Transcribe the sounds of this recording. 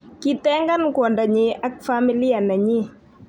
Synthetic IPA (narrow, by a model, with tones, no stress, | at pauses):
ki˦tɛ˦ŋɡa˦nkwɔ˨nda˨ɲɪ˨ʔa˦k̚fa˦mi˦li˦a˨na˨ɲi˦